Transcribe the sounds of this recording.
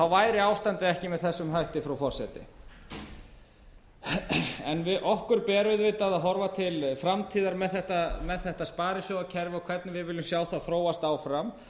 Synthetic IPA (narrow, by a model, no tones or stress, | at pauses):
θawvaːjɾɪaːwst̪ant̪ɪɛhcɪmɛðθɛsːʏmɦajht̪ɪfɾawfɔrsɛt̪ɪ̰ | ɛnvɪðʔɔhkʏɾ̥pɛːɾʏðvɪt̪aðaðɦɔɾvat̪ʰɪlfɾamt̪ʰiːðaɾmɛðθɛht̪amɛðθɛht̪aspaːɾɪsjɔwacʰɛɾvɪɔkʰvɛɾt̪nɪvɪðvɪlʏmsjaːwθaðθɾoːwast̪aːwfɾam